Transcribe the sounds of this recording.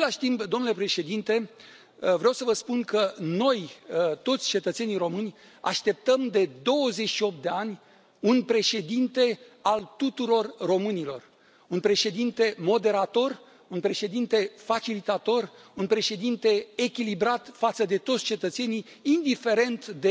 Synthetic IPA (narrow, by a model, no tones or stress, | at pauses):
aelaʃt̪impd̪o̞mnule̞pɾe̞ʃe̞d̪int̪e̞ | vɾeawsəvəspunkəno̞jt̪o̞t̪sʲt͡ʃe̞t̪ət̪se̞niɾo̞mɨnʲ | a̰ʃt̪e̞p̚t̪əmd̪e̞d̪o̞wəze̞t͡ʃʃio̞p̚t̪d̪e̞anʲ | unpɾe̞ʃe̞d̪int̪e̞alt̪ut̪uɾo̞rːo̞mɨnilo̞̰r | unpɾe̞ʃe̞d̪int̪e̞mo̞d̪e̞ɾat̪o̞r | unpɾe̞ʃe̞d̪int̪e̞fat͡ʃilit̪at̪o̞runpɾe̞ʃe̞d̪int̪e̞ekʲilibɾat̪fat̪səd̪e̞t̪o̞t̪sʲt͡ʃe̞t̪ət̪se̞ni | ind̪ife̞ɾe̞nt̪d̪e